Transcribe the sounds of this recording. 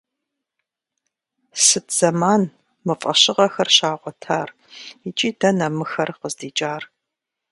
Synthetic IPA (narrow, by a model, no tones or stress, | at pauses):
sɨtʰz̥ɐmaːn | mɨfʼɐɕɪʁɐxɐrʃaːʁʷɔtʰaːr | it͡ʃʼiːdɐnɐmɨxɐrqəzdiːt͡ʃʼaːr